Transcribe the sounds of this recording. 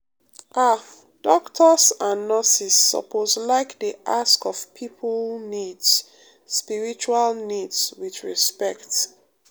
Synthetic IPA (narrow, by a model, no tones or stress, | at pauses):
ʔa | d̥ɔktʰəsãnːɔsisːɔ̰pʰozlaɪkdeʔaskɔv̥pʰipʰəlnids | spiɹit͡ʃualnidswiθɹispɛkt